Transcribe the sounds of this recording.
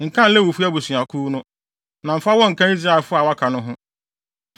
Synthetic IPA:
ŋ̩˨kʰã˦n̩˦lɛ˦wo˨fu˦a˦bu˨sɥ̃a˨kʰu˦nʊ̃˦ | nã˨m̩˨fa˦wɔ̃˦ŋ̩˨kʰã˦i˦zɾa˦˨fʊ˦a˨wa˦kʰa˨nʊ̃˦ɦʊ̃˦

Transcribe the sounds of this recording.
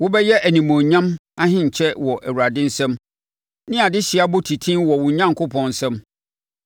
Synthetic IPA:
wʊ˦bɛ˦jɛ˦ʔæ˨nĩ˨mõ˨ɲã˦ma˦ɦɪ̃˦ɲ̩˨t͡ɕʰɛ˦wɔ˨ʔæ˨wu˨ɾa˨dɪ̃˦n̩˦sɛ̃˦m | nɪ̃˦a˨dɪ˦ɕi˨a˦bʊ˦tʰi˨tʰĩ˦wɔ˨wʊ̃˨ɲã˦ŋ˨kʰʊ˦pʰɔ̃˨n̩˨sɛ̃˦m

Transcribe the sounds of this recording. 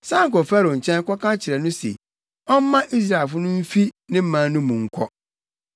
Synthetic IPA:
sã˦ŋ̩˨kɔ˨fɛ˦ɾo˨ɲ̩˨t͡ɕʰɛ̃˦n˦kɔ˦kã˦t͡ɕʰɪ˨ɾɛ˨nʊ̃˦sḛ˨ | ɔ˦m̩˦mã˦ʔi˦s̬ɾa˦˨e˨fʊ˦nʊ̃˦m̩˦fi˦nɪ̃˦m̩˦mã˨n˦nʊ̃˦mũ˨ŋ̩˨kʰɔ˦

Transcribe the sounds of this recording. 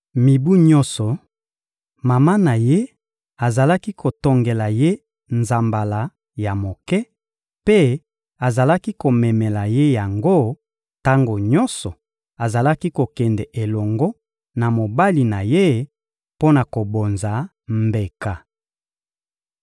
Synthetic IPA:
mi˨bu˦ɲɔ̃˦nsɔ˨ | ma˨ma˦na˨je˦ | a˨za˨la˦ki˦kʰo˨tɔ˨ŋɡe˨la˨je˦ | nza˨mba˨la˨ | ja˨mo˨kɛ˦ | pe˦ | a˨za˨la˦ki˦ko˨mɛ˨mɛ˨la˨je˦ja˨ŋɡo˦ | ta˦ŋɡo˨ɲɔ˦nsɔ˨ | a˨za˨la˦ki˦ko˨kɛ˨ndɛ˨ʔe˨lɔ˨ŋɡɔ˦ | na˨mo˨ba˦li˨na˨je˦ | po˦na˨ko˨bo˨nza˨ | mbe˨ka˨

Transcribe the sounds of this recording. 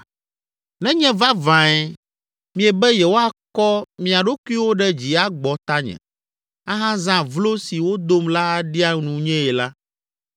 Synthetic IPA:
nɛ̃˦ɲɛ̃˦va˦vã˨ɛ˦ | mĩ˨ɛ˨bɛ˦jɛ˨wo˦a˨kɔ˦mĩ˨a˨ɖo˦kʷu˦i˦wo˦ɖɛ˦d͡ʑi˨a˦ɡ͡bɔ˨t̪a˦ɲɛ̰̃˨ | a˦ɦã˦zã˦vlo˦si˨wo˦d̪o˦mla˦a˦ɖi˦a˦nũ˨ɲɛ̃˦ɛ˨la˦

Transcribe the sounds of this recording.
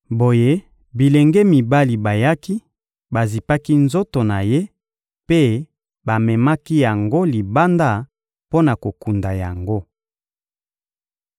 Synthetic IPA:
bo˨je˦ | bi˨le˨ŋɡɛ˦mi˨ba˦li˨ba˨ja˦ki˦ | ba˨zi˨pa˦ki˦nzo˦to˨na˨je˦ | pe˦ | ba˨mɛ˨ma˦ki˦ja˨ŋɡo˦li˨ba˦nda˦˨ | po˦na˨ko˨ku˨nda˨ja˨ŋɡo˦

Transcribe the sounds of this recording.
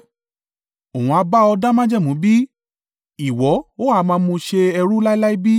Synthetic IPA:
o˨ũ˨˧a˧ba˦ɔ˧da˦mã˦d͡ʒɛ˦˨mũ˨˦bi˦ | i˨wɔ˨˦o˦a˦˨˧mãː˧mũ˧ʃe˧ɛ˧ɾu˦la˦i˦la˦i˦bi˦

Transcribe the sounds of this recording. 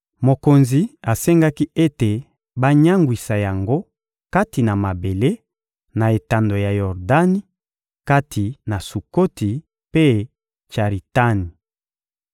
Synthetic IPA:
mo˨ko˨nzi˨a˨sɛ˦ŋɡa˦ki˦ʔe˦te˨ | ba˦ɲa˦ŋɡwi˨sa˨ja˨ŋɡo˦ | ka˦ti˨na˨ma˨be˨le˦ | na˨e˨ta˨ndo˨ja˨jɔ˨ʁda˦ni˦ | ka˦tʰi˨na˨su˨ko˦ti˨ | pe˦ | t͡ʃa˨ʁi˨ta˦ni˨

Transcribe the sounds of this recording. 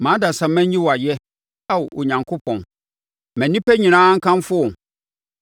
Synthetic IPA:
mãː˨˦da˨sã˨mæ̃˦ĩ˦wɔ˨a˨jɛ˦ | a˦wɔ˨ɲã˨ŋkʰʊ˦pʰɔ̃˨n | mæ̃˨nĩ˦pʰæ˦ɲĩ˨nãː˦ŋ̩˦kʰã˦mfʊ˦ɔ˨n

